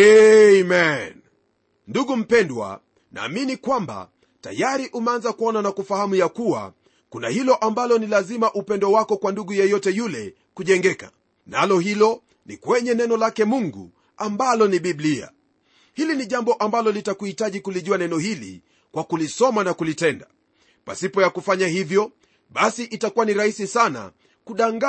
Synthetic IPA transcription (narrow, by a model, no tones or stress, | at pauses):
ɛmɛn | nduɠum̩pɛndwa̰ | na̰ːminikwamba̰ | ta̰jaɾiʔumɛanzakuɔnanakufahamujakuwa̰ | kunahilɔʔambalɔnilazimaʔupɛndwɔwakɔkwanduɠujɛjɔtɛjulɛ | kuʄɛŋɡɛka̰ | nalɔɦilɔ | nḭkwɛɲɛnɛnɔlakɛmuŋɡṵ | ambalɔniɓiblia̰ | hiliniʄambɔʔambalɔlitakuhitaʄikuliʄuanɛnɔhilḭ | kwakulisɔmanakulitɛnda | pa̰sipɔjakufaɲahivjɔ | ɓasiʔitakuwaniɾahisisana̰ | kuɗaŋɡa